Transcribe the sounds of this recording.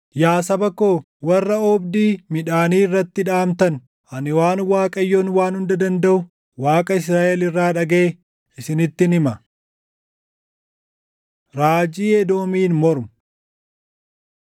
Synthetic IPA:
jaːsɐbɐkoː | wɐrːɐɔbd̪iːmɪᶑaːniːrːɐt̪ːɪᶑaːmt̪ɐn | ɐnɪwaːnwaːkʼɐjːoːnwaːnhʊnd̪ɐd̪ɐnd̪ɐʔʊ | waːkʼɐɪs̬ɾaːʔɛlɪrːaːᶑɐɡɐʔe | ɪsɪnɪt̪ːɪnɪmɐ | ɾaːd͡ʒiːɛd̪oːmiːnmɔɾmʊ

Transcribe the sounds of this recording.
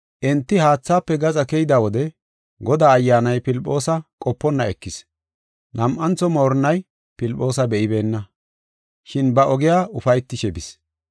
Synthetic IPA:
ʔɛnt̪ːɪhaːt͡sːaːpːɛɡɐt͡sʼɐkɛjɪd̪awɔd̪ɛ | ɡɔd̪aːjːaːnɐjpɪlpʼːo̞ːsɐkʼɔpːɔnːɐɛkːɪs | nɐmʔɐnt͡sɔmo̞ːɾnɐj | pɪlpʼːo̞ːsɐbɛʔɪbe̞ːnːɐ | ʃɪnbɐʔɔɡɪjaːʊfɐjt̪ːɪʃɛbɪs

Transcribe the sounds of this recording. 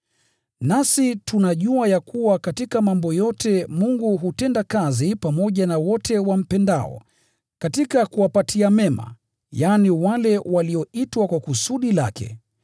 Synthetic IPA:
nasitunaʄuajakʰuwakatikamambɔjɔtɛmuŋɡuɦutɛndakazipamɔʄanawɔtʰɛwam̩pɛnda̰ɔ̰ | katikakuwapatʰiamɛma̰ | janiwalɛwaliɔitwakwakusuɗila̰kɛ̰

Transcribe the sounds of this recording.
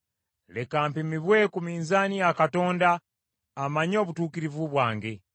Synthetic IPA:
le̞kaːmpimiβwe̞kumiːnzaniakato̞ːndaː | maɲo̞ːβutuːkiɾivuβwaːŋɡe

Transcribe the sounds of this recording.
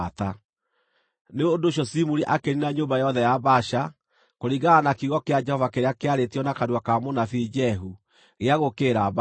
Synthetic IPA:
ta | neodoɕjɔsimuɾiʔakeɾinaɲoːmbajɔðɛjaβaɕa | koɾiɣaːnakiɣɔkead͡ʒɛhɔvakeɾeakeaɾetiɔnakaɾwakamonafid͡ʒɛɦu | ɣeaɣokeɾaβ

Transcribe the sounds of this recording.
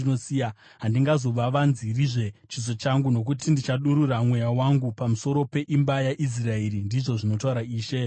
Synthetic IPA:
inosija | ɦandiŋɡazo̞ʋaʋanziriʐe̞t͡ʃizo̞t͡ʃaŋɡuno̞k̬utindit͡ʃaɗuɾuramwe̞jawaŋɡupamuso̞ɾo̞pe̞ʔimbajaʔis̬rae̞ɾindiʐo̞ʐino̞tauɾaiːʃe̞

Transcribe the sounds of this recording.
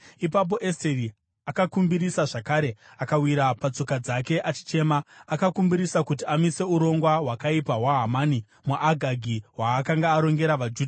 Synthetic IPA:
ip̬ap̬o̞ʔesteri | akakumbiɾisaʐakaːɾe̞akawiɾapat͡so̞kad͡zake̞ʔat͡ʃi̥t͡ʃe̞maːkakumbiɾisakut̬iamise̞uɾo̞ŋɡwawakaipaɦwaɦamaːni | muʔaɡʱaɡʱiwaːkaŋɡaːɾo̞ŋɡe̞ɾaʋad͡ʒuːdʱ

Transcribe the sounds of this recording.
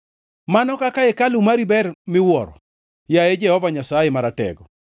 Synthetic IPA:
manɔkakaekalumaɾibɛrmɪwɔɾɔ̰ | jaed͡ʒɛhɔvaɲasajemaɾatɛ̰ɡɔ

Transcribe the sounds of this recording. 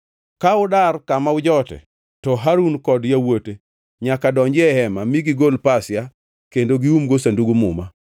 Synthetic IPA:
kaʊdarkamaʊd͡ʒɔtɛ̰ | tɔɦaɾunkɔdjawote | ɲakadɔɲd͡ʒɪɛhɛmamiɡiɡolpasɪja | kendoɡiumɡosanduɡumʊ̰ma

